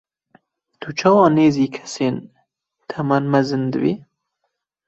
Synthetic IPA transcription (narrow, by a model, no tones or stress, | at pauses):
t̪ʰut͡ʃʰɑːwɑːneːziːkʰɛ̥seːn | t̪ʰɐmanmɐzɨnd̪ɨ̰bḭː